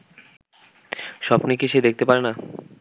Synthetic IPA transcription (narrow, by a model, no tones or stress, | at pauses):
ʃɔbnikiʃed̪ek̚ʰt̪epaɾena